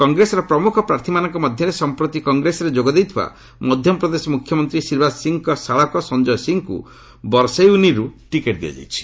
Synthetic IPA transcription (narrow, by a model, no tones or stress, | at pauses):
kɔŋɡɾesɔɾɔpɾɔmukʰɔpɾaɾt̪ʰimanɔŋkɔmɔd̪ʱjɔɾesɔmpɾɔt̪ikɔŋɡɾesɔɾed͡ʒoɡɔd̪ejt̪ʰiba̰ | mɔd̪ʱjɔmpɾɔd̪esɔmukʰjɔmɔnt̪ɾisiɾbasiŋkɔsaɭɔkɔsɔnd͡ʒɔjɔsiŋkṵ | bɔɾsejuniɾuʈikeʈd̪iɔ̰d͡ʒa̰jt͡ʃʰi̥